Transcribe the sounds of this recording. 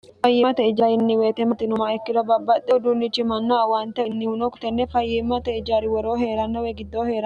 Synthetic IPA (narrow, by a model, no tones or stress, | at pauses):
fɐjːɪɐt̪ɛɪd͡ʒaɾɪnːɪweːt̪ɛmɐt̪ɪnʊmaɛkːɪd̪ɔbɐbːɐt̪ːɛd̪unːɪt͡ʃːɪmɐnːawant̪ɛnːɪʊnɔkʊ̥t̪ɛnːɛfɐjːɛmːɐt̪ɛɪd͡ʒaɾɪwɔɾoːɦe̞ːɾɐnːɐwɛɡɪd̪ːoːhe̞ːɾɐ